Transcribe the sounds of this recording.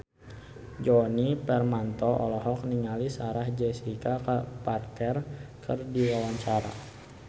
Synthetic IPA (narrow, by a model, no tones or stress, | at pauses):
d͡ʒɔnipɛrmant̪ɔʔɔlɔɦɔk̚niŋalisaɾahd͡ʒɛsikaparkɛrkʰərdiwawaɲt͡ʃaɾa̰